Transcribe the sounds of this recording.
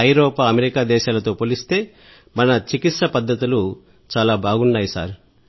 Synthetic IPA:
ɐjɾoːpaːɐmeɾikaːd̪ɛːʃaːlɐt̪o̞ːpoːlist̪e̞ː | mɐnɐt͡ʃikit̪sɐpɐd̪ʱːɐt̪ulu | t͡ʃaːlaːbʱaːɡuɳɖaːjisa̰ːɾu

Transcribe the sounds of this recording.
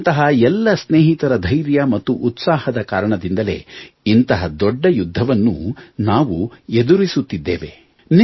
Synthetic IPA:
nt̪ɐɦɐɛlːɐsneːɦit̪ɐɾɐd̪ʱɐjɾjɐmɐt̪ːuʔːt̪saːhɐd̪ɐkaːɾɐɳɐd̪ind̪ɐle̞̰ːint̪ɐɦɐd̪ɔɖːɐjud̪ʱːɐʋɐnːṵnaːʋued̪uɾisut̪ːid̪ːḛːʋe | n

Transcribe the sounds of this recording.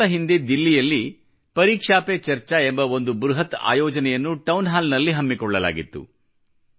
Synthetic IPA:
ɐɦind̪ed̪ilːijɐlːi | pɐɾiːkʂaːpet͡ʃɐɾt͡ʃɐembɐo̞nd̪ubɾuɦɐt̪a̰ːjɔːd͡ʒɐnɛjɐnːuʈɐwnɦaːlnɐlːiɦɐmːikɔɭːɐla̰ːɡit̪ːṵ

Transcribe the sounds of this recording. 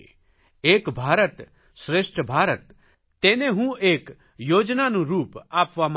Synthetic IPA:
eːkbʱaːɾət̪ | sɾeːsʈʰəbʱaːɾət̪ː | eːnẽɦũeːk | joːd͡ʒnanũɾuːpaːpʋam

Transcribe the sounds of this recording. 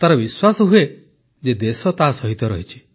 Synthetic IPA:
t̪aɾɔbiswasɔɦue | d͡ʒed̪esɔt̪asɔɦit̪ɔɾɔ̰ɦit͡ʃʰi̥

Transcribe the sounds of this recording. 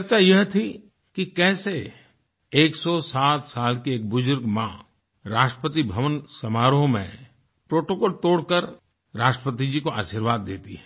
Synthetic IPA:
t͡ʃɐɾt͡ʃajɐɦt̪ʰi | kikɛːse | eːksɔsaːt̪saːlkieːk̚bʊzʊɾɡmã | ɾaːʃʈɾəpət̪̬ibʱɐʋənsɐmaːɾõmḛ̃ | pɾoːʈokoːlt̪oːɽkəɾ | ɾaːʃʈɾəpət̪̬id͡ʒikoʔa̰ːʃiɾʋaːd̪ːeːt̪iɦɛː

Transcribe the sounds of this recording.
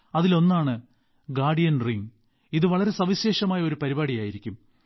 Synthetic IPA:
ɐðilo̞nːaːɳɨ | ɡaːɖijɐnriŋ | iðɨʋɐɭɐɾe̞sɐʋiɕe̞ːʂɐmaːjɐo̞ɾupɐɾibaːɽijaːjiɾikʲːum

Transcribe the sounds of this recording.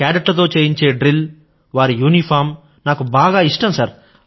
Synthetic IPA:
kaːɖɐʈːɐt̪̬o̞ːt͡ʃeːjiɲt͡ʃe̞ːɖɾil | ʋaːɾijuːnipʰaːɾm | naːkubaːɡaːiʂʈɐmsɐɾ

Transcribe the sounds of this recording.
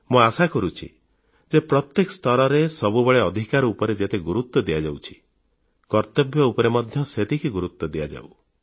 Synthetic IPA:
mũasakɔɾut͡ʃʰḭ | d͡ʒepɾɔt̪jekɔst̪ʰɔɾɔɾesɔbubeɭeɔd̪ʱikaɾɔupɔɾed͡ʒet̪eɡuɾut̪ːɔd̪iad͡ʒawt͡ʃʰi̥ | kɔɾt̪ɔbjɔupɔɾemɔd̪ʱjɔset̪ikiɡuɾut̪ːɔd̪ija̰d͡ʒa̰u

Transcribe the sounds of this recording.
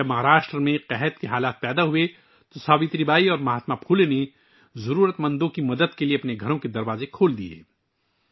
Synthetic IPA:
ɐbmɐɦaːɾaːʃʈɾəmẽqɛɦɛt̪keɦaːlaːt̪̚pɛːd̪aɦʊe | t̪osaːbɪt̪ɾibaːiɔːɾmɐɦaːt̪mapʰuːlene | zɐɾuːɾət̪mɐ̃nd̪õkimɐd̪əd̪kelieɐpneɡʱɐɾõked̪ɐɾʋaːzekʰoːld̪iḛː

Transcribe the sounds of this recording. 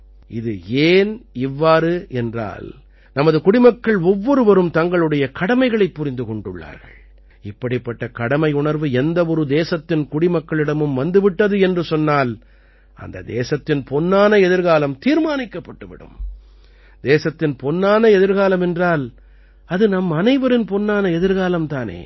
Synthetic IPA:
ʔɪðɯ̰eːnɪʋːaːɾɯʔɛndra̰ːl | nɐmɐðɯkʊɽɪmɐkːɐɭɔʋːɔɾɯʋɐɾɯmt̪ɐŋɡɐɭɯɽɐjɐkɐɽɐmɐɪɣɐɭɐɪpːʊɾɪnd̪ɯkɔɳɖɯɭːa̰ːɾɣɐ̰ɭ | ɪpːɐɽɪpːɐʈːɐkɐɽɐmɐɪʊɳɐɾʋɯɛnd̪ɐʋɔɾɯd̪eːsɐt̪ːɪnkʊɽɪmɐkːɐɭɪɽɐmɯmʋɐnd̪ɯʋɪʈːɐðɯɛndrɯsɔnːaːl | ɐ̰nd̪ɐ̰d̪ḛːsɐt̪ːɪnpɔnːaːnɐɛðɯɾɣaːlɐmt̪iːɾmaːnɪkːɐpːɐʈːɯʋɪ̰ɽɯ̰m | d̪eːsɐt̪ːɪnpɔnːaːnɐɛðɯɾɣaːlɐmɛndraːl | ɐðɯnɐmːɐnɐɪʋɐɾɪnpɔnːaːnɐɛðɯɾɣaːlɐmt̪aːnḛː

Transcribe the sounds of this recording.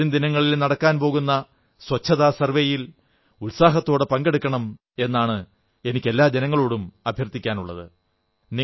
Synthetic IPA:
und̪inɐŋːɐɭilnɐɽɐkːaːnpo̞ːɣunːɐ | swɐt͡ɕʰːɐðaːsɐrʋejil | ulsaːɦɐt̪ːo̞ːɽɨpɐŋɡeɽukːɐɳɐm | e̞nːaːɳɨ | e̞nikʲːe̞lːaːd͡ʑenɐŋːɐɭoːɽumɐbʱjɐrt̪ːikʲːaːnuɭːɐðɨ | ni

